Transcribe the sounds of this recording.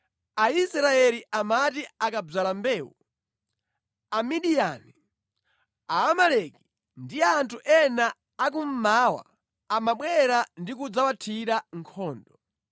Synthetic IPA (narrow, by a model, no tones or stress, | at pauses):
aisɾaɛliʔamatiakab͡ʐalambɛːwṵ | amiɗijani | aːmalɛki̥ | ndiantʰuʔɛnaː | k̬um̩maːwa̰ | amaɓwɛɾandik̬ud͡zawatʰiɾaŋkʰɔːndɔ